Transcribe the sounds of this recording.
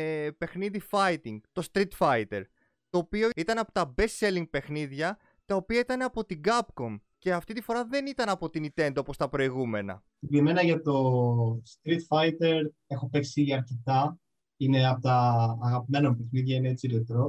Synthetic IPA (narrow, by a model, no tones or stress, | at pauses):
pe̞xniðifɐit̪iŋɡt̪o̞st̪ɾit̪fɐit̪e̞ɾ | t̪o̞ːpio̞it̪ɐnɐpo̞t̪ɐbe̞seliŋɡ̚pe̞xniðʝɐ | t̪ɐopiɐit̪ɐneɐpo̞t̪iɡɐb̚ko̞mce̞ɐft̪it̪ifo̞ɾɐðe̞nit̪ɐnɐpo̞t̪init̪e̞nd̪oopo̞st̪ɐpɾo̞iɣume̞nɐ̰ | iɡɾime̞nɐʝɐt̪o̞st̪ɾit̪fɐit̪e̞ɾ | e̞xo̞pe̞ksiɐɾcet̪ɐ | ineɐpot̪ɐːɣɐpime̞nɐmpexniðʝɐineet͡silet̪ɾo